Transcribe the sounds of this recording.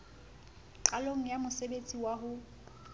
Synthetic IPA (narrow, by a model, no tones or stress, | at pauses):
t͡ɬʼaloŋ̩jamʊsebet͡sʼiwaɦʊ